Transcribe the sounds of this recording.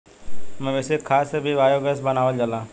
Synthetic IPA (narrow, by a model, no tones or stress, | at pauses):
mɛ̃ʋɛsekʰaːsəbʱiʋaːjoɡəsbɐnaːʋəld͡ʒalaː